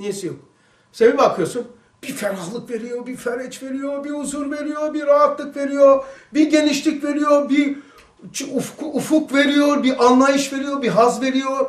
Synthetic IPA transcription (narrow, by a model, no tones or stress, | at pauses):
nijesijok | senibakʰɯjosun | b̥ifeɾalˠɯkve̞ɾijo̞ɾbifæɾɛt͡ʃve̞ɾijoɾbiuzuɾve̞ɾijoɾbiɾaɦat̪lˠɯkve̞ɾijoɾbiɟe̞niʃlʲicve̞ɾijoɾbi | t͡ʃufkufukve̞ɾijo̞ɾbiʔanlˠajɯʃve̞ɾijo̞ɾbiɦazve̞ɾijoɾ